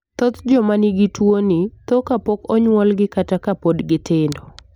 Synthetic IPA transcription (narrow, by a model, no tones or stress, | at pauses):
t̪ɔt̪d͡ʒɔmanɪɡɪtwonit̪ɔkapɔkɔɲwɔlɡɪkatakapodɡɪtɪndɔ